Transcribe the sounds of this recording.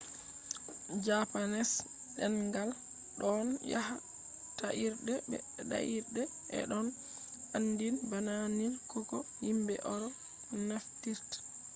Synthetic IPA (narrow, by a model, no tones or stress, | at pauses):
d͡ʒapanɛs | ɗɛnɡal | ɗɔnjaha | taʔiɾdɛbɛ̰ɗa̰ʔiɾdɛ | ʔɛ̰ɗɔn | anːdinbananinkɔkɔhimbɛ̰ʔɔɾɔ | naftiɾtḁ